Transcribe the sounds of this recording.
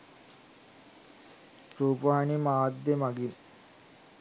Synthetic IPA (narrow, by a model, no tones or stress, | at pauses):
ɾuːpanimaːd̪jemɐɡin